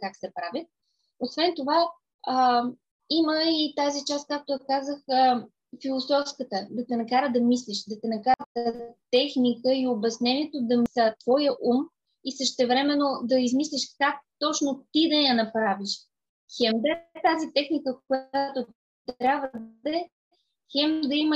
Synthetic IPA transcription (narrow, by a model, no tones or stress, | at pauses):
kaksɛpɾavʲət̪ | osvɛnt̪ova | ə | iməit̪azit͡ʃast̪̚kak̚t̪ojɐkazəxə | filˠosɔfskət̪əd̪ɐt̪ɛnɐkaɾəd̪ɐmisliʃd̪ɐt̪ɛnɐkaɾət̪t̪ɛxnikəiobɐsnɛniɛt̪od̪ɐmsət̪v̥ɔjəʔum | isəʃt̪ɛvɾɛmɛnod̪ɐizmislʲiʃkak̚t̪ɔt͡ʃnot̪id̪ɐjɐnɐpɾaviʃ | xɛmd̪ət̪azit̪ɛxnikəkojat̪o | t̪ɾʲabvəd̪d̪ɛ | xɛmd̪ɐimə